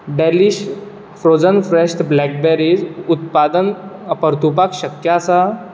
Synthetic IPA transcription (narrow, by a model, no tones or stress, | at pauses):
ɖɛliɕ | fɾod͡zənfɾeɕʈblɛk̚bɛɾid͡ʑut̪̚pad̪ənpəɾt̪upakɕəkjasa